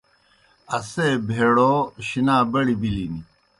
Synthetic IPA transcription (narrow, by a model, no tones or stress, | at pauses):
ɐsebʱeːɽoɕinaːbɐɽibilini